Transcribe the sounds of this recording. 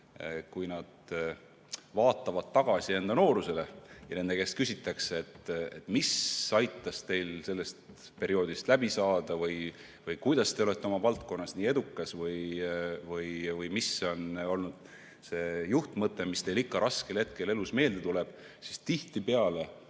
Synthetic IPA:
kujnɑd̪̥ | vɑːt̪ːˑɑvɑd̪̥t̪ːɑɡ̥ɑsie̞nd̪ɑno̞ːɾuse̞le̞jɑne̞nd̪eke̞ːst̪̚kysʲit̪ːˑɑkseet̪ːḛt̪ːˑmisɑjt̪ˑːɑst̪e̞jlse̞lːe̞st̪ | pe̞ɾio̞ːd̪̥ist̪læbisɑːd̪̥ɑvɯj | vɯjkujd̪̥ɑst̪e̞o̞le̞t̪ːˑeo̞mɑvɑlt̪ko̞nːɑsniːe̞d̪ukːˑɑsvɯjvɯjvɯjmisːo̞no̞lnud̪̥ | se̞ːjuht̪mɤt̪ːˑe̞mist̪e̞jlikːɑɾʔɑskelhe̞t̪̚ke̞le̞lusme̞ːld̪̥e̞t̪ule̞b̥ | sist̪iht̪ipeɑle̞

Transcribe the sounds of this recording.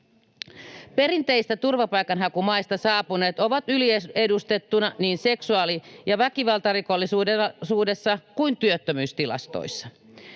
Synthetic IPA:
pe̞ɾint̪eist̪æt̪urʋɑpɑjkɑnɦɑkumɑist̪ɑsɑːpune̞ːt̪o̞ʋɑt̪ylieedust̪e̞t̪ːunɑniːnse̞ksuɑːlijɑʋækiʋɑlt̪ɑriko̞lːisuːesuːde̞sːɑkuint̪yøt̪ːømyːst̪ilɑ̰st̪o̰isːɑ̥

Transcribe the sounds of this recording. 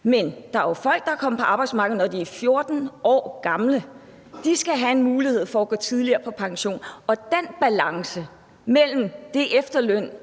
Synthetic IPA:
mend̥ɑ̈æɐjo̝fɒ̽l̰ɡ̥̚d̥ɑ̈kʰɒ̽m̰pʰɒ̽ɑ̈b̥ɑ̈ɪdsmɑ̈ːɡ̥ð̩ˠnɒd̥iæfjo̝ɐd̥n̩ɒ̰ːɡ̥ɑ̈mlə | d̥isɡ̥æɦæe̝nmuːlihe̝ð̞̰ˠfɒ̽ːɡ̥ɔ̰ːt͡sʰið̞ˠliɐːpʰɒ̽pʰɑ̈ŋɕo̝̰ːnɒ̽d̥enb̥ælɑ̈ŋsə | mel̰m̩d̥e̝ʔefd̥ɐløn̰

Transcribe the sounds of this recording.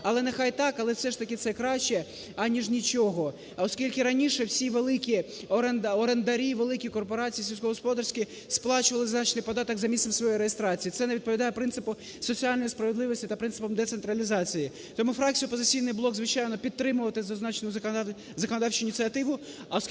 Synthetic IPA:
ɐlˠɛnexɑjt̪ɑkɐlˠɛwsɛʂt̪ɐkʲɪt̪sɛkɾɑʃt͡ʃɛ | ɐnʲiʒnʲit͡ʃɔɦɔ | ɔskʲilʲkʲɪɾɐnʲiʃɛwsʲiʋelˠɪkʲi | ɔɾend̪ɔɾend̪ɐɾʲiʋelˠɪkʲikɔrpɔɾɑt͡sʲijisʲiws̬ʲkɔɦɔspɔd̪ɐrsʲkʲɪ | splˠɑt͡ʃʊʋɐlˠɪznɑt͡ʃnɪjpɔd̪ɑt̪ɐɡzɐmʲisɛmsʋɔjɔjɾejest̪ɾɑt͡sʲijit̪ɛneʋʲid̪̚pɔʋʲid̪ɑjɛpɾɪnsɨpʊ | sɔt͡sʲialʲnɔjispɾɐʋed̪lˠɪʋɔsʲtʲit̪ɐpɾɪnsɪ̥pɔmd̪ɛt̪sent̪ɾɐlʲizɑt͡sʲiji | t̪ɔmufɾɑk̚t͡sʲijʊɔpɔzɪt͡sʲijnɪjblˠɔɡzʋɪt͡ʃɑjnɔpʲit̪ːɾɪmʊʋɐt̪ɪzɐznɑt͡ʃenʊ | zɐkɔnɔd̪ɑwt͡ʃʊjinʲit͡sʲsʲiɐt̪ɪʋʊ | ɐɔs

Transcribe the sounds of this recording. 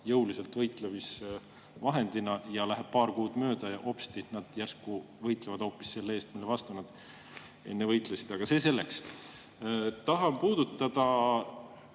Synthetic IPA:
jɤwlise̞lt̪vɤjt̪ˑlevis | vɑɦe̞nd̪̥inɑjɑlæɦe̞b̥̚pɑːɾkuːd̪̥mø̞ːd̪̥ɑjɑʔo̞pst̪inɑd̪̥jærsku | vɤjt̪ˑlevɑd̪̥ho̞ːpːˑi̥sse̞lːee̞ːst̪milːevɑst̪unɑd̪̥ | e̞̰nːevɤjt̪lusid̪̥ɑɡ̥ɑse̞se̞lːeks | t̪ɑɦɑmpuːd̪̥ut̪ːˑɑd̪̥ɑ

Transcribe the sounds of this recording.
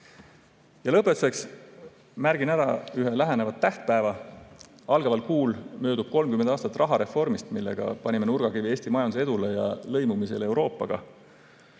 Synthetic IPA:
jɑlɤpːˑet̪ːuse̞ks | mæɾɡ̥inæɾɑyɦelæɦenevɑt̪ːæht̪̚pæevɑ | ɑlɡ̥ɑvɑlkuːlmø̞ːd̪ub̥̚ko̞lmkymend̪ɑːst̪ɑt̪ːˑrɑɦɑɾe̞fo̞rmist̪milːe̞̰ɡ̥ɑ̰pɑnʲime̞nurɡ̥ɑkivie̞ːst̪imɑjɑnd̪u̥se̞d̪ule̞jɑ̰lɤ̞jmumise̞̰le̞wɾo̞ːpːˑɑɡ̥ɑ̰

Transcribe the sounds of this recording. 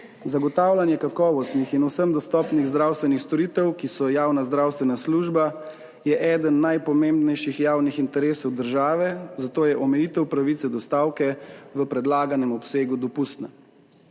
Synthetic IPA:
zaɡɔt̪aːwlʲanjɛkakɔːʋɔst̪nixinusəmd̪ɔst̪ɔːpniɣzd̪ɾaːwst̪ʋɛnixst̪ɔɾiːt̪ɛwkisɔjaːwnazd̪ɾaːwst̪ʋɛnasluːʒba | jɛʔɛːd̪ənːajpɔmembnɛjʃixjaːwnixint̪ɛɾeːsɔwd̪əɾʒaːʋɛzat̪oːjɛʔɔmɛjiːt̪ɛwpɾaʋit̪sɛd̪ɔst̪aːwkɛʋəpɾɛd̪laːɡanɛmɔpseːɡud̪ɔpust̪na

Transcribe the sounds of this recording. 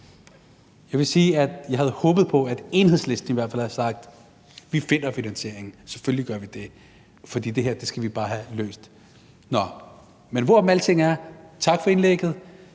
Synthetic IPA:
jɑ̈ɪʋe̝siːæd̥jɑ̈ɪhæð̞̩ˠhɔ̽ːb̥ð̩ˠpʰɒ̽æd̥e̝nhe̝ðˠsle̝sd̥n̩iʋæɐ̰̥fæ̰lhæɐsɑ̈ɡ̥̚d̥ | ʋife̝n̰ɐfinænɕe̝ɐe̝ŋ̩sefølliɡ̥ɶɐʋid̥e̝ | fɒ̽d̥ḭːd̥e̝ɦeɐ̰d̥e̝sɡ̥æʋib̥ɑ̈ːɦælø̰ːsd̥ | nɒ | menʋɒmælət͡sʰe̝ŋ̰æɐt͡sʰɑ̈ɡ̥fɒ̽e̝nleɡ̥ð̞̩ˠ

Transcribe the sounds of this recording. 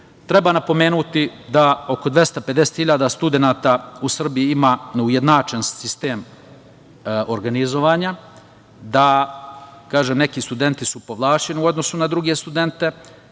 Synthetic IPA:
t̪ɾe̞banapo̞me̞ːnut̪id̪aoko̞d̪ʋje̞st̪ape̞d̪eset̪hiʎaːd̪ast̪ud̪e̞naːt̪ausr̩bijiimaːnuje̞d̪naːt͡ʃenssist̪eːm | oɾɡanizo̞ʋaːɲa | d̪a | kaːʒemne̞kist̪ud̪e̞nt̪isupo̞ʋlˠaːt͡ʃe̞niuo̞d̪no̞sunad̪ɾuɡe̞st̪ud̪e̞nt̪e̞

